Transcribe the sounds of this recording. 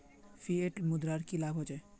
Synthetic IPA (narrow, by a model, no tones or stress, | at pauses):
fʰieʈmud̪ɾaɾkilaɡʱɦɔd͡ʒa